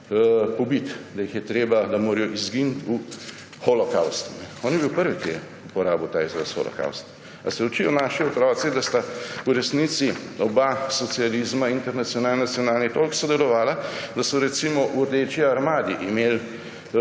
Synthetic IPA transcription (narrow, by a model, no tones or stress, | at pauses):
pɔbit̪d̪ajixjɛt̪ɾeːbad̪ɐmoːɾijɔʔizɡint̪u | xɔlɔkawst̪unɛɔːnjɛbiwpəɾʋik̪e | upɔɾaːbɔt̪aːizɾasxo̰lɔ̰ka̰wst̪ | a̰sɛɔt͡ʃijɔnaːʃiɔt̪ɾɔːt̪sid̪ast̪auɾɛsnit̪siɔbasɔt̪sialiːzmaint̪ɛɾnat̪sjɔnaːlnnat̪sjɔnaːlnit̪olksɔd̪ɛlɔʋaːlad̪asɔɾɛt̪simɔʔuɾd̪eːt͡ʃiaɾmaːd̪iʔimeːl